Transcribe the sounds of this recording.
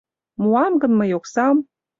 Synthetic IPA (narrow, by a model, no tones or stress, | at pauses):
muɑmɡɤ̆nmɤ̆joksɑm